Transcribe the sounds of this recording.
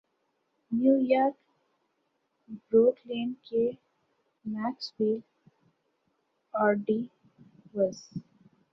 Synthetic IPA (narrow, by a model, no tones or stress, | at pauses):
njuːjaːɾk | bɾoːʈlẽːɳke | mæːksbiːl | aːɾɖiː | ʋəz